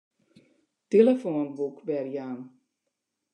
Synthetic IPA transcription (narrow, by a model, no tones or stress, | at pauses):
teləfoːnbukbɛrjaːn